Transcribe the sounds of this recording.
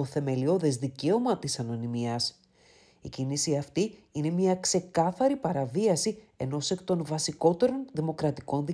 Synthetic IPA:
o̞θe̞me̞lio̞ðezðice̞o̞mɐt̪isɐno̞nimiɐs | icinisiɐft̪iine̞mɐkse̞kɐθɐɾipɐɾɐviɐsi | e̞no̞se̞kt̪o̞nvɐsiko̞t̪e̞ɾo̞nðimo̞kɾɐt̪iko̞nði

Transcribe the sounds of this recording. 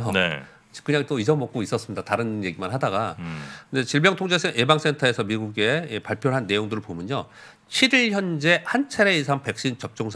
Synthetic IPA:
ne | kɯɲaŋt͈oisʰʌmʌk̚k͈ois͈ʌs͈ɯmɲidataɾɯnje̞ɡimanɦadaɡakɯnde̞t͡ɕiɭbjʌŋtʰoŋd͡ʑesebaŋs͈entʰaesʰʌmiɡuɡe̞epaɭpʰjoɭɦanːe̞joŋdɯɾɯɭpomjʌɲo | t͡ɕʰiɾiɭçjʌnd͡ʑe̞hant͡ɕʰaɾe̞isʰaŋpe̞k̚ɕ͈int͡ɕʌp̚t͡ɕ͈oŋsʰ

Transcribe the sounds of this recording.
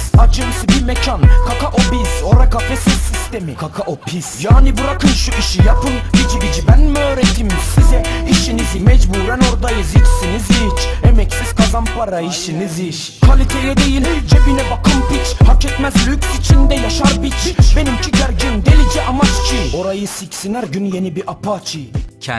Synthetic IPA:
ad͡ʒɯmisɯbiɾmecʰankʰakaʔobizo̞ɾakafesizsist̪e̞mikʰakʰaʔopʰisjaːnibuɾakʰɯnʃuʔiʃijapʰɯnɟit͡ʃʰiɟid͡ʒibænmøːɾet̪ʰimsizɛiʃinizimɛd͡ʒbuːɾæno̞ɾd̪ajɯzit͡ʃsiniziɾit͡ʃemɛcsiz̥kʰazanpʰaɾaiʃiniziʃ | kʰalʲit̪ʰeɾjɛd̪ejilʲd͡ʒebilɛbakʰɯmpit͡ʃʰhakɛt̪mæzlʲykʲsit͡ʃʰind̪ɛjaʃaɾbit͡ʃʰbe̞nimcʰiɟæɾɟind̪elid͡ʒiʔamad͡ʒi̥t͡ʃʰino̞ɾajɯsicsinæɾɟynje̞nibiɾʔapʰat͡ʃʰi

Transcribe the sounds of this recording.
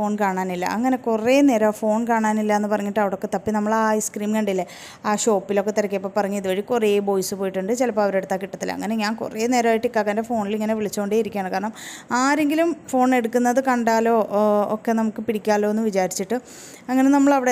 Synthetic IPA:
fo̞ːɳkaːɳaːnilːɐ̰ʔɐŋːɐne̞kureːneːɾoːfo̞ːɳkaːɳaːnilːɐenːɨpɐrɐɲːiʈːɐʋiɽo̞kːet̪ɐpːinɐmːɐɭaːiskriːmkɐɳɖilːɐ | aːɕo̞ːpːilo̞kːe̞t̪iɾɐkːepːoːpɐrɐɲːiðuʋɐɻikureːbo̞ːjsɨpoːjiʈːuɳɖɨt͡ɕilɐpːoːɐʋɐɾeɽut̪ːaːkiʈːɐt̪ːilɐ̰ŋːɐne̞ɲaːnkṵreːne̞ːɾɐaːjiʈːikːaːkːɐːnde̞fo̞ːɳiliŋːɐneʋiɭit͡ɕːukoɳɖeːjiɾikʲːaːɳɨkaːɾɐɳɐmaːɾe̞ŋɡilumfo̞ːɳe̞ɽukːunːɐðɨkɐɳɖaːlo̞ːokːe̞nɐmukːɨpiɽikʲːaːlo̞ːenːʋit͡ɕaːɾit͡ɕːiʈːɨ | ɐŋːɐne̞nɐmːɐɭɐʋiɽe

